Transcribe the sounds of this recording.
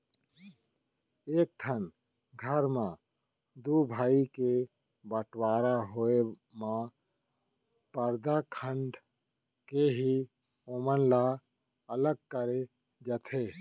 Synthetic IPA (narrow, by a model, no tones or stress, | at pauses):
eːk̚ʈʰən | ɡʱəɾmã | d̪ubʱaːike | bəʈwaːɾaɦoe | mã | pəɾd̪akʰə̃ɳɖ | keɦi | omənla | ələɡ̚kəɾe | d͡ʒət̪ʰe